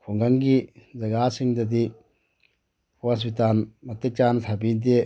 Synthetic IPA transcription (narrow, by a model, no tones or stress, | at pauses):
kʰuŋɡaŋɡid͡ʒɐɡasiŋd̪ɐd̪i | as̬bit̪anmɐt̪ːek̚t͡ʃant̪ʰabind̪̬ie